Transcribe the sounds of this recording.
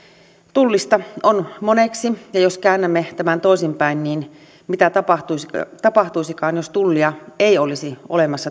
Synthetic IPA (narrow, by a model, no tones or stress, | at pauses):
t̪ulːist̪ɑonmoneksijɑjoskæːnːæmːet̪æmænt̪oˑisimpæinniːn | mit̪æt̪ɑpɑt̪ust̪ɑpɑht̪uisikɑːnjost̪ulːiɑeˑiolisio̰lemɑsːɑ